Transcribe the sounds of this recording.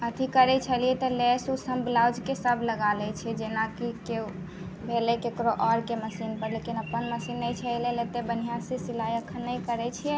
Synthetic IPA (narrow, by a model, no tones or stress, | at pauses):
ət̪ʰikəɾɛt͡ʃʰəlijɛt̪ɔlɛsusəmblawd͡ʒkesəbʱləɡalɛt͡ʃʰɛd͡ʒenakike | bʱelekekɾoʔɔɾkeməsinpəɾlekinəpənməsinːɛjt͡ʃʰɛlelet̪ebənijãsesilajəkʰənːəjkəɾɛt͡ʃʰijɛ